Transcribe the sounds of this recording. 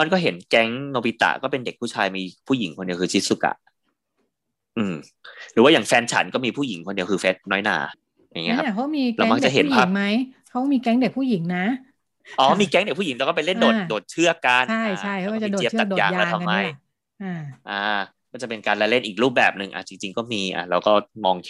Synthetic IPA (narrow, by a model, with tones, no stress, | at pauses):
a˧nkɔː˥˩ɦe˩˦nkɛ˦˥ŋnoː˧pi˦t̪a̰˧˩kɔː˥˩pe˧nde˨˩k̚pʰuː˥˩t͡ɕʰaː˧jmiː˧pʰuː˥˩ji˨˩˦ŋkʰo˧ndi˧˩əkʰɯː˧t͡ɕʰi˦˥t̪̚su˧˩ka̰˨˩ʔ | ʔɯː˧˩m | ɾɯː˩˦waː˥˩jaː˨˩ŋfɛː˧nt͡ɕʰa̰˨˦nkɔː˥˩miː˧pʰuː˥˩ji˩˦ŋkʰo˧ndi˧əkʰɯː˧fe˦˥t̪̚nɔː˦˥jna̰ː˧˩˦ | ja˨˧˩ŋːi˦˧˥kʰkʰa˦˥miː˧la˧˦˥ma˧˥kt͡ɕa˨˩˨ɦe˨˦npʰaː˥˩ma˦˥jkʰa˦˥wmiː˧kɛ˦˥ŋde˨˩k̚pʰuː˥˩ji˩˦ŋna˦˥ | ʔɔː˧˩miː˧kɛː˧˦˥ŋde˨˩k̚pʰːu˥˩i˩˦ŋlɛ˧˦wkɔ˥˩p̬a˧le˥˩ndoː˨˩t̪̚doː˨˩t̪̚t͡ɕʰɯ˥˩ɐka˧nʰa˥˩jʰa˥˩jʰa˦kːdoː˨˧˨a˨˩djaː˧ŋjaːlːt̪ʰmːa˧˩j | ʔa˧˩ʔaː˧ | kɔː˥˩t͡ɕa˨˩pe˧nkaː˧nla˧˥le˥˩nʔiː˨˩k̚ɾuː˥˩p̚bɛː˨˩p̚nɯ˨ŋʔa̰˨˧˩t͡ɕi˧ŋt͡ɕi˧ŋkɔː˥˩miː˧ʔa̰˨˩lɛː˦˧wkɔː˥˩mɔː˧ŋʰ